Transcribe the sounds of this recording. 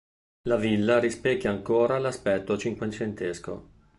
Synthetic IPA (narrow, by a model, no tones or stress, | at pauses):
lavilːaɾispɛkːaaŋkoːɾalaspɛt̪ːot͡ʃiŋkwent͡ʃent̪esko̰